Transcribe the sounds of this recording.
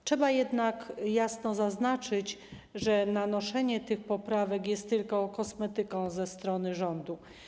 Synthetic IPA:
t͡ʂʂɛbajɛd̪nakjasnɔzaznat͡ʂɘt͡ɕ | ʐɛnanɔʂɛɲɛt̪ɘxpɔpɾavɛkjɛst̪ːɘlkɔkɔsmɛt̪ɘkɔ̃w̃zɛst̪ɾɔnɘʐɔnd̪u

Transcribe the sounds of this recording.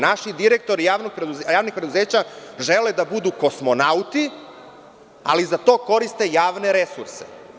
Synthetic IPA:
naʃid̪iɾek̚t̪o̞ɾijaːʋnoɡ̚pɾed̪uzjaːʋnixpɾe̞d̪uzeːt͡ɕaʒe̞led̪abud̪uko̞smo̞naut̪i | a̰lizat̪o̞ːko̞ɾist̪e̞jaːʋne̞ɾe̞suɾse̥̰

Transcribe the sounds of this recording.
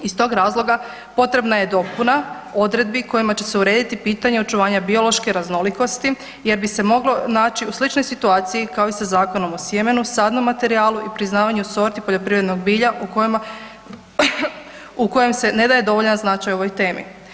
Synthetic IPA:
ist̪o̞ːɡɾaːzlˠo̞ɡa | po̞t̪ɾe̞bnaje̞d̪o̞puna | o̞d̪ɾe̞d̪̚biko̞jimat͡ɕe̞seuɾe̞ːd̪it̪ipiːt̪aɲeo̞t͡ʃuʋaːɲabio̞lˠo̞ʃke̞ɾazno̞liko̞st̪i | je̞ɾbise̞mo̞ɡlo̞naːt͡ʃiuslit͡ʃno̞jsit̪uaːt̪sijikao̞isazaːko̞no̞mo̞sjeme̞nusaːd̪no̞mːat̪e̞ɾiaːlˠuʔipɾiznaːʋaɲuso̞ɾt̪ipoʎo̞pɾiʋɾed̪no̞ɡ̚biːʎaʔuk | uko̞je̞mse̞ne̞d̪aje̞d̪o̞ʋoʎnanznat͡ʃajo̞ʋo̞jt̪e̞ːmḭ

